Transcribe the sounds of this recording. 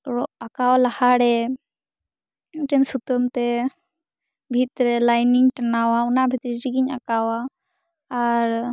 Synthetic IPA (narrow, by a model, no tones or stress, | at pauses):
ɔakawalahaɽɛ | ʈɛnsut̪əmt̪ɛ | bʱit̪ɾɛlajniŋʈɛnawaunabʱit̪ɾiʈiɡiɲa̰kawaː | ɾ